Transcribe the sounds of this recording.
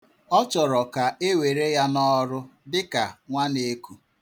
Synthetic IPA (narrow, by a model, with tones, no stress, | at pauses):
ɔ˦t͡ʃɔ˨ɾɔ˨ka˨e˦we˨ɾe˦ja˦nɔ˦ɾʊ˦dɪ˦ka˨ŋʷa˦ne˦ku˦